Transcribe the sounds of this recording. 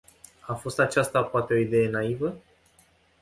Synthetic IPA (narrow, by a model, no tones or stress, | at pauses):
afo̞st̪at͡ʃast̪apoat̪e̞o̞id̪e̞je̞naivə